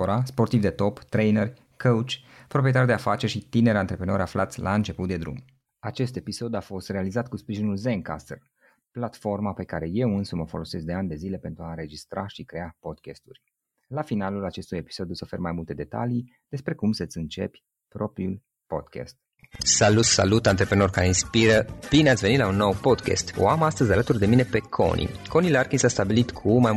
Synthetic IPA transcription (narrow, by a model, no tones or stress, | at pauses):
oɾaspo̞rt̪ivd̪e̞t̪o̞pt̪ɾe̞jnərʲ | kʰəwt͡ʃʲ | pɾopɾijet̪ard̪eafat͡ʃe̞ʃit̪ine̞ɾant̪ɾe̞pɾeno̞ɾʲaflat̪sʲlʔaɨnt͡ʃe̞put̪̚d̪e̞d̪ɾṵm | at͡ʃe̞st̪e̞piso̞d̪afo̞st̪re̞alizat̪kuspɾiʒinulzeŋka̰st̪ər | plat̪fo̞rmape̞kaɾe̞je̞wɨnsuməfo̞lo̞se̞sd̪e̞and̪e̞zile̞pe̞nt̪ɾuaɨnɾe̞d͡ʒist̪ɾʔaʃikɾe̞apo̞d̪kʲest̪urʲ | lafinalulat͡ʃe̞st̪uje̞pi̥so̞d̪juso̞fe̞rmajmult̪e̞d̪e̞t̪a̰li | d̪̥e̞spɾe̞kumsət̪sʲɨnt͡ʃe̞̰pʲ | pɾo̞pɾiul | po̞̰d̪̥kʰʲɛ̰st̪̚ | salut̪salut̪ant̪ɾepɾeno̞rkaɾeinspiɾəb̥ineatsʲveit̪launːo̞wpo̞d̪kʲḛst̪o̰amast̪əzʲalət̪urd̪e̞mine̞pe̞kʰo̞̰nʔḭko̞nilarkinsast̪abilit̪kʰumaj